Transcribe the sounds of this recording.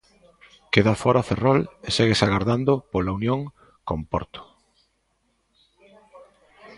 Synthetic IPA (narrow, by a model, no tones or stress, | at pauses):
keðafɔɾaferɔleseɣesaɣaɾðand̪opolaunjõŋ | kompɔ̰ɾt̪o̥